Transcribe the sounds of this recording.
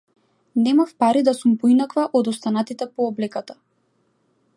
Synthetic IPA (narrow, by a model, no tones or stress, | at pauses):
nɛmafpaɾid̪asumpɔinakvaʔɔd̪ɔst̪anat̪it̪ɛpɔːblɛkat̪ḁ